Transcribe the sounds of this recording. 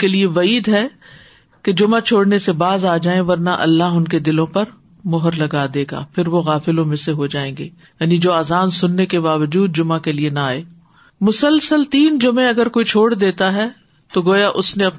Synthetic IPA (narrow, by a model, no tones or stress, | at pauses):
kelieʋɐiːd̪ɦɛ | ked͡ʒʊmat͡ʃʰoːɽnesebaːzaːd͡ʒaːẽʋɐɾnaʔɐ̰lːaɦʊnked̪ɪlõpɐɾ | mʊɦəɾlɐɡaːd̪eːɡa̰ːpʰɪɾʋoɣaːfɪlõmẽseɦod͡ʒaːẽːŋɡeː | jaːnid͡ʒoːaːzaːnsʊnːekebaːʋəd͡ʒuːd̪̚d͡ʒʊmakelienaaːeː | mʊsəlsəlt̪iːnd͡ʒʊmẽɐɡəɾkoːit͡ʃʰoːɽd̪eːt̪aɦɛː | t̪oɡoːjaʔʊsneɐp